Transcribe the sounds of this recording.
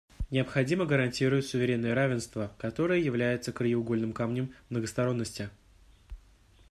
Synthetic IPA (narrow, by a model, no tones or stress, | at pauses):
nʲɪəpxɐdʲiməɡəɾɐnʲtʲiɾʊjɪt̪ʲsʊvʲɪɾʲe̞nːɨjəɾavʲɪnst̪vəkɐt̪o̞ɾəjəjɪvlʲæjɪt̪səkɾəjɪʊɡo̞lʲnɨmkamnʲɪmːnəɡəst̪ɐɾo̞nːəsʲtʲɪ